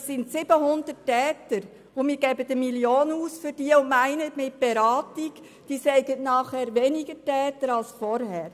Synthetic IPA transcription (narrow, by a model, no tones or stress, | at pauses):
ssɪntsɪb̥əɦʊnd̪ətɛːtəɾ | ʊmɪːɾɡɛbədəmiljoːnuːsfʏɾd̥iəʊnmæɪnətmɪt̚b̥ɛɾɑːtik | d̥iːsɛɪɡətnɑːχhæːɾʋɛniɡətɛːtəɾɑlsfɔɾhɛːɾ